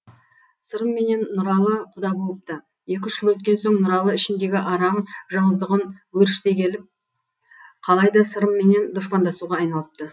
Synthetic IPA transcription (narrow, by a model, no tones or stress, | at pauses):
səɾəmːe̞ne̞nːʊɾɑlˠəqʰʊd̪ɑbolˠəp̚t̪ə | je̞kʲɪʃʒɪlˠwɵt̪̚kʲe̞nso̞ɴnʊɾɑlˠəɪʃɪnd̪e̞ɡʲɪʔɑɾɑmʒɑwəzd̪əʁənwɵɾɪʃt̪ekʲʰe̞lɪp̚ | qʰɑlˠɑjd̪ɑsəɾəmːe̞ne̞nd̪ʊʃpɑnd̪ɑsuʁɑːjnɑlˠəp̚t̪ə